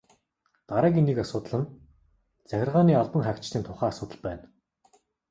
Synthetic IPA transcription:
t̪aɾæːkiniːkasʊːt̪ɮə̆n | t͡sæxʲɪ̆rʁaːniːaɮpə̆ŋχækt͡ɕt̪iːnt̪ʰʊχæːasʊːt̪ə̆ɮpæ̰ːn

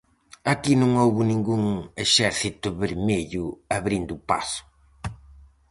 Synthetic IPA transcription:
akinõŋowβʊnĩŋɡuŋeʃɛɾθit̪ʊβeɾmeʎʊaβɾind̪ʊupa̰sʊ̥

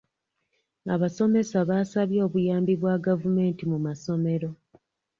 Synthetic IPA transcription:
aβaso̞me̞saβaːsaβjo̞ːβujaːmbiβwaɡavume̞ːntimumaso̞me̞ɾo̞

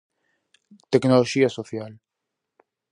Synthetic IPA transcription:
t̪ɛknɔlɔd͡ʒiːɐsɔfjɐːl

